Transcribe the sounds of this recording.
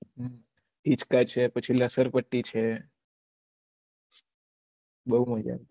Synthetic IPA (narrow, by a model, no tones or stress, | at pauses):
ɦ | ɦit͡ʃkat͡ʃʰepət͡ʃʰiləsəɾpəʈːit͡ʃʰe | bəɦuməd͡ʒa̰ɾ